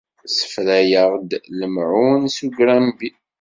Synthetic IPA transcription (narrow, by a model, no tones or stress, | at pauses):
sə̥fɾæjəʁd̪ləmʕunsuɡɾæmbi